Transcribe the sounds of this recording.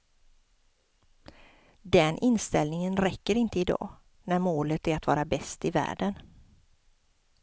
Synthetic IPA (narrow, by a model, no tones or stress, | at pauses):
d̪ɛnʔɪnst̪ɛlnɪŋənɾɛkːəɾɪnt̪əɪd̪ɑ̰ː | næɾmoːlət̪æɾat̪vɑ̰ːɾabɛst̪ɪvæ̰ːɖən